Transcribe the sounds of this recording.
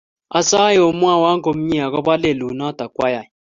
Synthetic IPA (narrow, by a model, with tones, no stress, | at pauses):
a˨sa˦je˦˨o˨mu˦a˦˨wa˦ŋɡo˨m̩˦ɲi˦a˨ɣɔ˦ba˦le˦˨lu˨na˦ta˨kwa˦ja˨